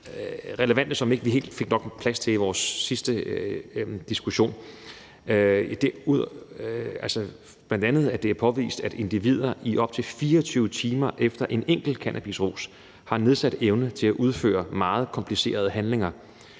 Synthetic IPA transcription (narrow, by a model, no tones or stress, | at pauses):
ʁɛləʋæn̰d̥əsɒ̽me̝ɡ̥əʋiɦe̝̰ːld̥fe̝ɡ̥nɒ̽ɡ̥pʰlæst͡sʰe̝liʋɒːsːisd̥ə | d̥isɡ̥uɕo̝̰ːn | id̥eɐuð̰ˠ | ælsɐ | b̥læn̰d̥ænð̞̩ˠæɐd̥e̝æɐpʰɒ̽ʋḭːsd̥æd̥e̝nd̥iʋið̞̰ˠɐiʔɒ̽b̥̚t͡sʰe̝lfiːɐɒt͡sʰyːʊət͡sʰiːmɐʔefd̥ɐʔe̝neŋ̰ɡ̥l̩kʰænʔæb̥isʁṵːs | hɑ̈ne̝ð̞ˠsæd̥eʊnət͡sʰe̝læʔuð̞ˠfø̰ːɐmɑ̈ːð̞̩ˠkʰɒ̽mpʰlise̝̰ːɐð̞ˠɦænle̝ŋɐ